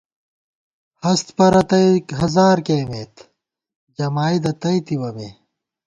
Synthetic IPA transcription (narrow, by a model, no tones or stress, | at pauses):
hɐst̪pɐɾɐt̪ɐjɦɐzaːɾkeːmeːt̪ | d͡ʑɐmaːid̪ɐt̪ɐit̪ibɐmeː